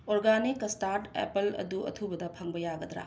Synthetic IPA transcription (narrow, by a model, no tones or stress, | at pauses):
oɾɡanikstaɾtḛpɐlɐ̰duɐ̰tʰubɐdɐpʰɐŋbɐjaɡɐd̪ɾa̰